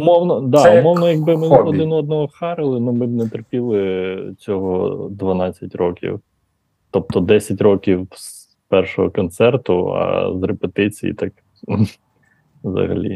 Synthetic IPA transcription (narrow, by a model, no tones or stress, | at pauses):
umɔwnɔd̪ɑʊmɔwnɔjɐɡ̚bɪmɪɔd̪ɪnɔɔd̪nɔɦɔxɑɾɪlˠɪnumɪbnɛt̪erpʲilˠɪt͡sʲɔɦɔd̪ʋɐnɑt͡sʲːɐtʲrɔkʲḭw | t̪ɔp̚t̪ɔd̪ɛsʲɐtʲrɔkʲiws | pɛrʃɔɦɔkɔnt̪sɛrt̪ʊɐ̰zrepet̪ɪt͡sʲijḭt̪ɑk | wzɐ̰ɦɐ̰lʲḭ